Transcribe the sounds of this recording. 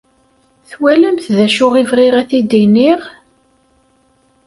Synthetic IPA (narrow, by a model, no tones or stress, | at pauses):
θwæləmθðæʃʊʁivʁɪʁæθid̪iniʁ